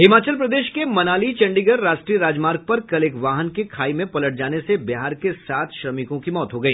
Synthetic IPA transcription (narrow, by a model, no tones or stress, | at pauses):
ɦɪmaːt͡ʃəlpɾɐd̪eːʃkemɐnaːlit͡ʃɛ̃ɳɖiɡəɾːaːʃʈɾiːɾaːd͡ʒmaːɾɡ̚pɐɾkɐlɪkʋaːɦənkekʰaːimẽpɐləʈ̚d͡ʒaːnesebɪɦaːɾkesaːt̪ʰʃɾɐmɪkõkimɔːt̪ɦoɡɐiː